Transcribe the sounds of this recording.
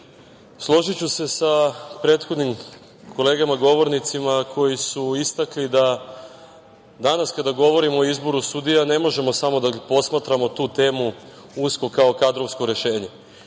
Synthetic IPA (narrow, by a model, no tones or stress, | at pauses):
slˠo̞ʒit͡ɕuse̞sapɾeːt̪xo̞d̪nim | ko̞le̞ːɡamaɡo̞ʋo̞ɾnit̪simakʰo̞jisuist̪aklid̪a | d̪anaskad̪aɡo̞ʋo̞ɾimoːizbo̞ɾusud̪ijane̞mo̞ʒe̞mo̞samo̞d̪apo̞smat̪ɾamo̞t̪uːt̪e̞ːmu | usko̞kao̞kad̪ɾo̞ʋsko̞ɾe̞ʃe̞ːɲe̞